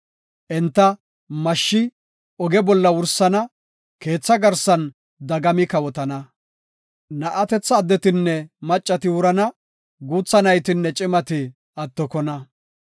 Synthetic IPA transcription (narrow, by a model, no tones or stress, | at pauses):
ʔɛnt̪ːɐ | mɐʃːɪ | ɔɡɛbɔlːɐwʊɾsɐnɐ | ke̞ːt͡sːɐɡɐɾsɐn | d̪ɐɡɐmɪkɐwɔt̪ɐnɐ | nɐʔɐt̪ɛt͡sːɐːd̪ːɛt̪ɪnːɛmɐt͡ʃʼːɐt̪ɪwʊɾɐnɐ | ɡuːt͡sːɐnɐjt̪ɪnːɛt͡ʃʼɪmɐt̪ɪ | ɐt̪ːɔkɔnɐ